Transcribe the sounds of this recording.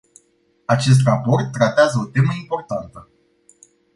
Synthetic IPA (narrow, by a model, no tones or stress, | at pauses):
at͡ʃe̞s̬t̪rapo̞rt̪ːɾat̪eazəo̞t̪e̞məimpo̞rt̪ant̪ə